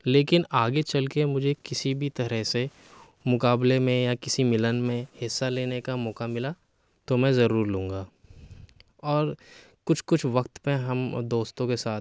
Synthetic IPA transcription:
leːkɪnaːɡet͡ʃɐlkemʊd͡ʒʱekɪsibʱit̪ɐɾəɦse | mʊkaːblemẽjakɪsimɪlənmẽhɪsːaleːnekamɔːkamɪla | t̪omɛ̃zɐɾuːɾlũːŋɡaː | ɔːɾ | kʊt͡ʃʰkʊt͡ʃʰʋɐkt̪peɦɐmd̪oːst̪õkesaːt̪̚ʰ

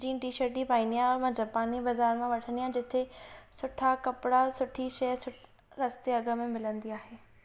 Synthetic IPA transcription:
d͡ʑĩːʈiːʃəɾʈ̚d͡ʑipaːĩnd̪ijãɾmãd͡ʑapaːnibɐzaːɾmãʋɐʈʰə̃nd̪ijãd͡ʑɪt̪ʰesʊʈʰakɐpɽasʊʈʰiʃɐsʊ | ɾɐst̪eɐɡə̆mẽmɪlə̃nd̪iaːɦeː

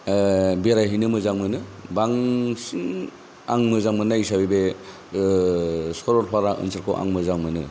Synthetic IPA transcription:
beɾajɦinɯmɯzaŋmɯnɯbaŋsiŋ | aŋmɯzaŋmɯnaisabibe | sɔɾɔɾpʰaɾaʔɯ̰nsɯɾkʰoʔa̰ŋmɯzaŋmɯnɯ

